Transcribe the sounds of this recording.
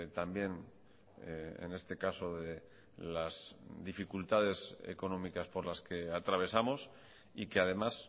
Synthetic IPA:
t̪ambje̞n | ḛne̞st̪e̞kaso̞ðe | lazðifikult̪að̞e̞sḛko̞nõ̞mikaspo̞ɾlaske̞at̪ɾaβ̞e̞samo̞s | ike̞aðe̞mas

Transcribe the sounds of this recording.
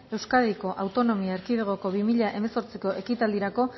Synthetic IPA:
e̞wskaðiko̞ʔawt̪o̞no̞miaeɾkiðeɣ̞o̞ko̞βimiʎaʔe̞me̞so̞ɾt͡siko̞ʔe̞kit̪ald̪iɾako̞

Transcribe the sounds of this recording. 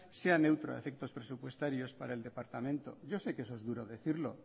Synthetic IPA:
se̞ane̞wt̪ɾoa̰efek̚t̪o̞spɾe̞supwe̞st̪aɾjo̞spaɾaeld̪e̞paɾt̪amẽnt̪o̞̰ʝo̞se̞kesoezðuɾo̞ðe̞θiɾlo

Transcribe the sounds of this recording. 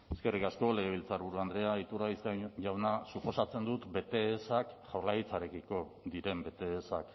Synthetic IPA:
eske̞rikasko̞le̞ɣ̞e̞βilt͡saɾβuɾuand̪ɾe̞ait̪uɾaiskaʝawnasupo̞sat͡se̞nd̪ut̪be̞t̪e̞ːsakʝawɾlaɣit͡saɾe̞kiko̞ðiɾe̞mbe̞t̪e̞ːsak

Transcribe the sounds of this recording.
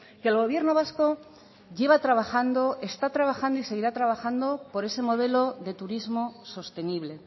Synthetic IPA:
keːlɣo̞βje̞ɾno̞β̞asko̞ | ʝe̞β̞at̪ɾaβaxand̪o̞ʔe̞st̪at̪ɾaβ̞axand̪oise̞ɣ̞iɾat̪ɾaβaxand̪o̞po̞ɾe̞se̞mo̞ð̞e̞lo̞ðe̞t̪uɾizmo̞so̞st̪e̞niβ̞le̞

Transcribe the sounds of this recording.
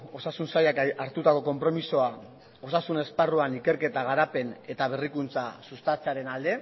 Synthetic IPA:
o̞sasunsajakaɾt̪ut̪ako̞ko̞mpɾo̞misoa | o̞sasune̞sparuanike̞ɾke̞t̪aɣ̞aɾape̞ne̞t̪aβ̞erikunt͡sasust̪at͡seaɾe̞nald̪e̞

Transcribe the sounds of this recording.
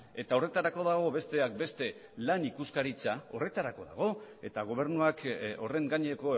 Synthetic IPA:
e̞t̪ao̞re̞t̪aɾako̞ðaɣ̞o̞βe̞st̪e̞ak̚be̞st̪e̞ | lanikuskaɾit͡sao̞re̞t̪aɾako̞ða̰ɣ̞o̞e̞t̪aɣ̞o̞β̞e̞ɾnuako̞re̞ŋɡaɲeko̞

